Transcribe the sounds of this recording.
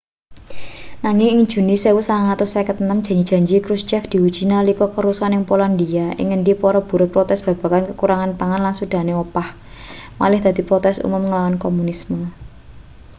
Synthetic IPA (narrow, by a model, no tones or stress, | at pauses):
naŋɪŋɪŋ̥ʒ̥ṳnisewusaŋaŋat̪ʊsakət̪ənəmdʒ̥ä̤ɲi̥ʒ̥a̤ɲd͡ʒikɾust͡ʃɛfd̪̥i̤wud̥ʒ̥i̤nalikɔkəɾusanɪŋpoland̪iaʔɪ̰ŋəɳɖipɔɾɔb̥ṳɾʊt̪̚pɾɔt̪ɛsb̥ä̤b̥a̤kankəkuɾaŋanpaŋanlansud̪̥a̤newəpah | ma̰lɪhd̪̥a̤d̪̥i̤pɾɔt̪ɛsṵmʊmŋəlawankomunismə